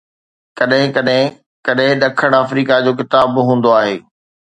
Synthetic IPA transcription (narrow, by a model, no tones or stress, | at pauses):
kɐɗɦɪ̃ɐɗɦɪ̃ | kɐɗɦɪ̃ɗɐkʰəɽ̃aːfɾiːkad͡ʑoːk̬ɪt̪aːbɦũːn̆d̪oaːɦeː